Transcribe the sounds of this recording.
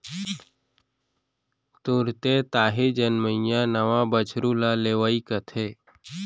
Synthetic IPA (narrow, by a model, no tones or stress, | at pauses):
t̪uɾt̪et̪aːɦed͡ʒənməjãnəʋãbət͡ʃʰɾulaleːʋaːikət̪ʰeː